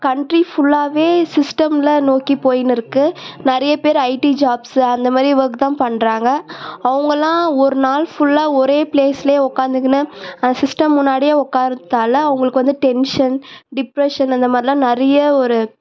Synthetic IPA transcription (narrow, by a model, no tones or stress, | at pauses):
kɐɳʈɾifʊɭːaːʋeːsɪsʈɐmlɐnoːkipoːjɪnɪɾɯkːɯnɛɾɐjɐpeːɾɐɪʈid͡ʒaːbsɯɐnd̪ɐmaːðɾiʋɐkɯt̪ãːpɐɳːɾaːŋɡɐɐʋɐŋɡɐlãːɔɾɯnaːlfʊɭːaːɔɾeːpleːsɪljeɔkːaːnd̪ɯkːɐnɯɐnd̪ɐsɪsʈɐmːʊnːaːɽɪjeːɔkːaːɾt̪aːlɐɐʋɐŋɡɐɭɯkːɯʋɐnd̪ɯʈɛnʂɐnɖɪpɾɛʂɐnɐnd̪ɐmaːd̪ɾɪlãːnɛɾɐjɐɔɾɯ